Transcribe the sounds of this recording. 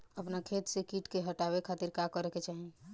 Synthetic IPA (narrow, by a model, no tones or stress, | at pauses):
əpnakʰet̪sekiʈkeɦəʈabekʰat̪iɾkakəɾeket͡ʃaɦi